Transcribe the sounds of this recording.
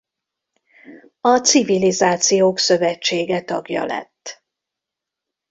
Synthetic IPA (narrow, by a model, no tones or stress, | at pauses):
ɒt̪sivilizaːt̪sijoːksø̞vɛt͡ʃːeːɡɛt̪ɒɡjɒ̰lɛ̰t̪ː